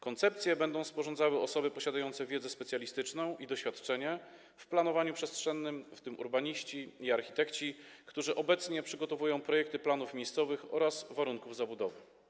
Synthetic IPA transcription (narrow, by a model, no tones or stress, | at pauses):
kɔnt̪sɛp̚t̪sʲjɛbɛnd̪ɔ̃w̃spɔʐɔnd̪zawɘɔsɔbɘpɔɕad̪ajɔnt̪sɛvʲjɛd̪zɛspɛt̪sʲjalʲist̪ɘt͡ʂnɔ̃w̃ʔid̪ɔɕfʲjat̪t͡ʂɛɲɛ | fplanɔvaɲupʂɛstʂɛnːɘmft̪ɘmʔṵɾbaɲiɕt͡ɕiiaɾxʲit̪ɛkt͡ɕikt̪uʐɘʔɔbɛt̪sɲɛpʂɘɡɔt̪ɔvujɔ̃w̃pɾɔjɛk̚t̪ɘplanufmʲejst̪sɔvɘxɔ̰ɾasvaɾuŋkuvzabud̪ɔvɘ